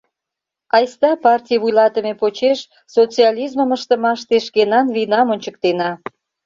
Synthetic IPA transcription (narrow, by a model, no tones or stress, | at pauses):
ɑjst̪ɑpɑrtʲijβujlɑt̪əmepot͡ɕeʃ | sot͡siɑlʲizməməʃt̪ə̆mɑʃt̪eʃkenɑnβinɑmonʲt͡ɕək̚t̪enɑ